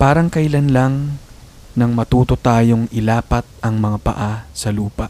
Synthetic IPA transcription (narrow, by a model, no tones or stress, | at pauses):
paːɾɐŋkɐʔɪlɐnlaŋ | nɐŋmɐt̪uːt̪o̞t̪aːjo̞ŋʔɪlaːpɐt̪̚ɐŋmɐŋapɐ̰ʔasɐluːpɐʔ